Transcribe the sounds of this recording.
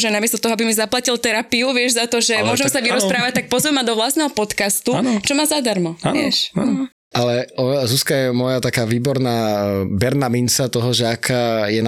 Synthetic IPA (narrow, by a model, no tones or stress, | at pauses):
ʒɛnamɪɛst̪ɔt̪ɔɦɔabimizaplacilt̪ɛɾapiuʋɪɛʒzat̪ɔʒɛmʊɔʒɛmsaʋiɾɔspɾaːʋac̚t̪ak̚pɔzʋɛmːad̪ɔʋlast̪nɛɦɔpɔt̪kast̪ut͡ʃɔmaːzad̪aɾmɔaɪɛ̰ʃa | ʔalɛɔzuskajɛmʊɔjat̪akaːʋiːbɔɾnaːbɛɾnaminsat̪ɔɦɔʒɛakʰajɛn